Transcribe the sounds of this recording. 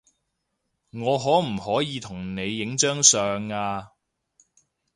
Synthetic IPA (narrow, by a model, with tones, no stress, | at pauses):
ŋɔː˨˧ɦɔː˨˥m̩˨˩hɔː˨˥jiː˨˧t̪ʰʊ˨˩ŋne˨˧jːɪ˨˥ŋt͡ʃœː˥ŋsœː˨ŋaː˧